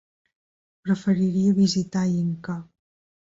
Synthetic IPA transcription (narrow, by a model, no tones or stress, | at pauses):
pɾəfəɾiɾiəβizit̪aiŋka